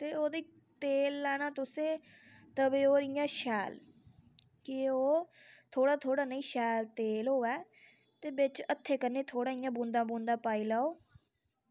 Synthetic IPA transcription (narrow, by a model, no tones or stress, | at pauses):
t̪eːoːd̪iː | t̪eːlːɛːñaːt̪ʊsẽː | t̪əbeːoːɾijãːʃɛːl | kɪoː | t̪ʰoːɽaːt̪ʰoːɽaːnəĩːʃɛːlt̪eːlɦoːɛː | t̪eːbɪt͡ʃət̪ʰːeːkənːeːt̪ʰoːɽaːɪjãːbũːnd̪ãːbũːnd̪ãːpaːiːlaːoː